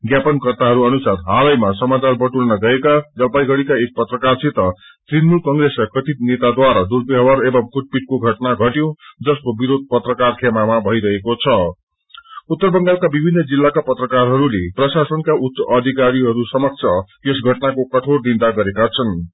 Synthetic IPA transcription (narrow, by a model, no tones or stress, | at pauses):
ɡjapʌnkʌrt̪aɦʌɾuʌnusaɾɦalʌjmasʌmat͡sarbʌʈulnʌɡʌekad͡zʌlpajɡʱʌɽikaek̚pʌt̪rʌkart͡sʰit̪ʌ | t̪rinmulkʌŋɡreskakʰʌt̪it̪̚net̪ad̪waɾad̪urbiɦʌwaɾebʌmkuʈ̚piʈ̚koɡʱʌʈnaɡʱʌʈjõd͡zʌskobiɾod̪̚ʱpʌt̪rʌkarkʰemamabʱʌjɾʌɦekot͡sʰʌ | ut̪ːʌrbʌŋɡalkabibʱinːʌd͡zilːakapʌt̪rʌkarɦʌɾuleprʌsasʌnkaʔut̪sʌʔʌd̪ʱikaɾiɦʌɾusʌmʌk̚t͡sʰʌ | esɡʱʌʈnakokʌʈʰord̪ind̪aɡʌɾekat͡sʰʌn